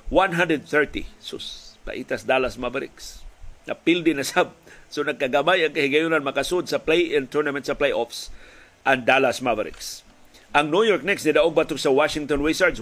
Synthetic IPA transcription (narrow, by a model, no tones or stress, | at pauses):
wãnɦãndɾəd̪̚θɛɹt̪ḭsʊ̰spa̰ʔit̪asd̪alasmabaɾɪ̰ksna̰pɪld̪ɪnasab̚sonakːaɡabajaŋkahɪɡajʊnanmakasʊd̪̚saplejʔɪ̃nt̪ɔɹnamɛ̃nt̪saplejʔɔfs | ʔand̪alasmavaɾɪ̰ks | ʔaŋnujɔɹk̚nɛksnid̪aʔʊɡ̚bat̪ʊksawaʃɪŋt̪ɔnwesaɹd̪s